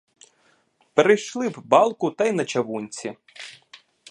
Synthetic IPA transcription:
peɾejʃlˠɪwbɑlˠkʊt̪ɐjnɐt͡ʃɐʋunʲt͡sʲi

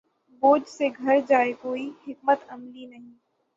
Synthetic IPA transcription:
boːd͡ʒseɡʱɐɾd͡ʒaːekoːihɪk̚mət̪ɐmlinɐɦĩː

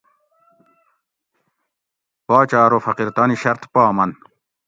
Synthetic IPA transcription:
paːt͡ɕaːɾofɐqiɾt̪ɑːniɕɐɾt̪paːmɐn

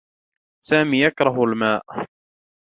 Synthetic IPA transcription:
saːmiːjakɾˤɑɦalmaːʔ

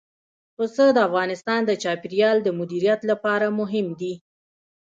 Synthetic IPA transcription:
osəd̪əafɣɑnɪst̪ɑnd̪ət͡ʃɑpiɾjɑld̪əmʊd̪iɾijat̪lapɑɾamʊɦɪmd̪i

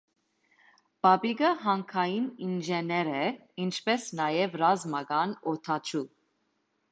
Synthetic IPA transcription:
b̥ɑbiɡəɦɑŋkʰɑjininʒɛnɛɾɛint͡ʃʰpɛsnɑjɛvrɑzmɑɡɑnɔt̪ʰɑt͡ʃʰu

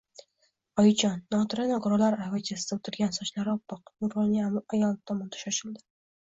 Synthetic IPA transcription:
ɒjt͡ʃʰɒnːɒt̪ʰɾanaɡʊɾɒlaɾavɪt͡ʃʰasɪd̪aot̪ʰɪɾɡʲansɒʃlaɾɒpːɨqʊɾolnɪajɒlˠt̪ʰɒmɒnd̪ʰḁʃɒʃɪld̪ɪ̥

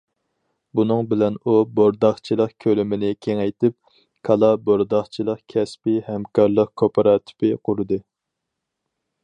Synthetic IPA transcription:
bunɨŋbɪlɛnuboɾd̪ɑχt͡ʃʰilˠəqkʲʰølɪmɪnɪkʲʰeŋɛjt̪ɪp̚ | kʰɑlˠɑboɾd̪ɑχt͡ʃʰilˠəqkʲʰɛspɪhɛmkʰɑɾlˠəqkʰopʰɑɾɑt̪ʰi̥pʰɪqʰuɾɨd̪ɨ

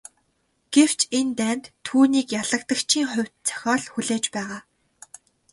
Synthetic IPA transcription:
ɡ̥ew̥t͡ɕent̪æːnt̪ʰːuːniːkjaɮə̆k̚t̪ə̆kt͡ɕʰiːŋχʊ̟wʲt̪̚t͡sʰœ̥xʲɔːɮxuɮeːt͡ɕpæːʁaː

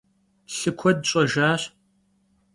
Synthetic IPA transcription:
ɬɨkʷʰɔdɕʼɔʒaːɕ

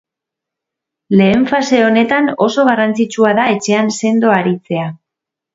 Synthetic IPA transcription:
le̞ːɱfase̞o̞ne̞t̪ano̞so̞ɣarant͡sit͡ʃuaðae̞t͡ʃe̞anse̞nd̪o̞aɾit͡se̞a

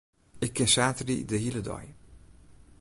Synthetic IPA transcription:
ɪkːɪsaːtrḭdəhilədɔ̰j

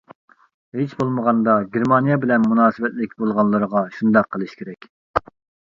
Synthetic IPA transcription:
ɦet͡ʃbolˠməʁɑnd̪ɑɡʲeɾmɑnijɑbɪlɛnmunɑːsɨwɛt̪lɪkʲbolˠʁɑnlˠɨɾəʁɑʃund̪ɑqʰːəlˠɨʃkʲʰeɾɛkʲ

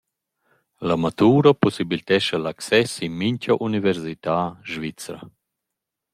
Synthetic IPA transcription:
lamat̪uːɾɐpusibilt̪ɛʃalaksɛsinmiɲcaʔunivɛɾsit̪aːʒvit͡sɾa̰

